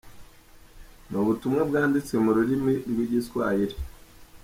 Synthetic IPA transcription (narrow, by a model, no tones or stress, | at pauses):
noβutumŋabɡaːndit͡semuɾuɾimiɾɡwiːɟiskwa̰ːjiɾi̥